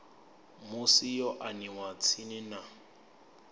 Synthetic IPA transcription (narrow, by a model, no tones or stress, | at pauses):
mʊsijɔʔaniwat͡sʰinɪna